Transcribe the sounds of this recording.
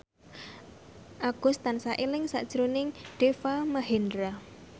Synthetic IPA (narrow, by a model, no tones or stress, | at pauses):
ʔaɡ̥ṳst̪ansaʔilɪŋsa̰ʔd̥ʒ̥əɾonɪŋɖ̥efamaɦend̪ɾa